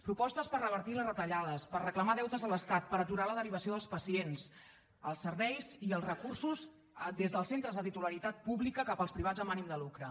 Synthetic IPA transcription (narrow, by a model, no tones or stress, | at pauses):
pɾupɔst̪əspərəβ̞əɾt̪iləzrət̪əʎaðəspərrəkləmaðɛwt̪əzələst̪at̪̚pəɾət̪uɾaləðəɾiβ̞əsioðəlˠspəsiens | əlˠsːərβɛjziəlˠzrəkursuz | d̪ezðəlˠsent̪ɾəzðət̪it̪uləɾit̪at̪̚puβlikəkapəlˠspɾiβad͡zzəmanimd̪əlukɾə